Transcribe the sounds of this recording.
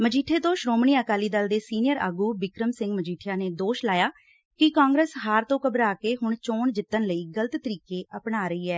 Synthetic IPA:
məd͡ʒiːʈʰeːt̪õːʃɾoːmɳiːəkaːliːd̪əld̪eːsiːnɪjəɾa̰ːɡuːbɪkɾəmsɪ̃ŋɡməd͡ʒiːʈʰɪjaːneːd̪oːʃlaːjaː | kɪkãːŋɡɾeːsɦaːɾt̪õːkəbɾaːkeːɦʊɳt͡ʃoːɳd͡ʒɪt̪ːənləiːɡələt̪t̪əɾiːkeːʔəpɳaːɾəiːɛː

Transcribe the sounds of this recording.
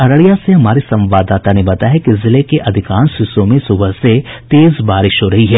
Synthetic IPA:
ɐɾəɽijaseɦɐmaːɾisɐ̃mʋaːd̪aːt̪anebɐt̪aɦɛkizɪlekeʔɐd̪ʱɪkãːnsɪsõmẽsʊbʱəɦset̪eːzbaːɾɪʃɦoɾɐɦiɦɛː

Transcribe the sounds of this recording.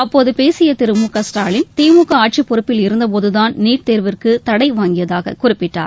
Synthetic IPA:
ɐpːoːðɯpeːsɪjɐt̪ɪɾɯmuːkɐsʈaːɭɪnt̪iːmuːkːɐaːʈ̚t͡ʃipːɔɾɯpːɪlɪɾɯnd̪ɐp̬oːðɯðaːnniːʈ̚t̪eːɾʋɪrkɯt̪ɐɽɐɪʋaːŋɡɪjɐðaːɣɐ̰kʊrɪpːɪʈːa̰ːɾ

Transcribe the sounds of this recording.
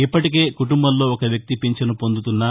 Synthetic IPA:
ipːɐʈik̬e̞ːkuʈumbɐnlo̞ːɔkɐʋjɐk̚t̪ipiɲt͡ʃɐnupo̞nd̪ut̪unːɐ

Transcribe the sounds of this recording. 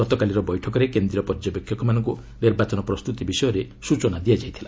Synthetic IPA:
ɔt̪ɔkaliɾɔbɔjʈʰɔkɔɾekend̪ɾiɔpɔɾd͡ʒapekʰːjɔkɔmanɔŋku | niɾbat͡ʃɔnɔpɾɔst̪ut̪ibisɔjɔɾe | sut͡ʃɔnad̪ijad͡ʒajt̪ʰila

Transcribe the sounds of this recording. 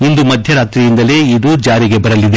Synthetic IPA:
ind̪umɐd̪ʱjɐɾaːt̪ɾijind̪ɐle̞id̪ud͡ʒaːɾiɡe̞bɐɾɐlːid̪e̞

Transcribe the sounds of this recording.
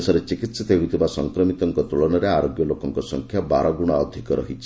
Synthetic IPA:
sɔɾet͡ʃikit̪set̪eɦut̪ʰibasɔŋkɾɔmit̪ɔŋkɔt̪uɭɔɽ̃ɔɾeaɾoɡjɔlokɔŋkɔsɔ̰ŋkʰjaba̰ɾɔɡuɽ̃aɔd̪ʱikɔɾɔ̰ɦit͡ʃʰi̥

